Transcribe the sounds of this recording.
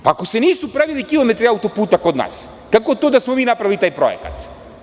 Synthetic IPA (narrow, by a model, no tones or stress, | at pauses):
paːkɔsɛnisupɾavilikilˠɔmɛt̪ɾiawt̪ɔput̪akod̪na̰s | kakot̪od̪asmɔmiːnapɾavilit̪ajpɾɔ̰ɛ̰ka̰t̪